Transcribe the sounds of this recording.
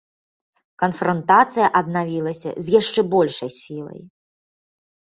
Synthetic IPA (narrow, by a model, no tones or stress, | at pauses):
kɐnfɾɐnt̪at̪sɨjɐʔɐd̪navʲilˠɐsʲɐ̰zʲjaʂt͡ʂɛbɔlʲʂɐjsʲilˠɐ̰j